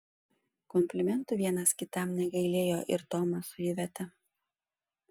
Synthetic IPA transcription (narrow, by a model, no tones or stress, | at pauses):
kɔmʲpʲlʲɪmʲɛnt̪ʊˑʋʲiɛnɐskʲɪt̪ɐmnʲɛɡɐɪlʲeːjoːʔɪɾt̪oːmɐsʊjɪʋʲɛt̪ɐ